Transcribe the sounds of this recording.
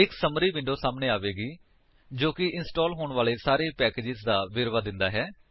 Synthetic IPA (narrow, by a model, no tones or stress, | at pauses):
ɪksəmɾiːʋɪ̃ɳɖoːsaːmneːaːʋeːɡiː | d͡ʒoːkɪʔɪnsʈoːlɦoːɳʋaːleːsaːɾeːpɛːkeːd͡ʒɪzd̪aːʋɪɾʋaːd̪ɪnd̪aːɦɛː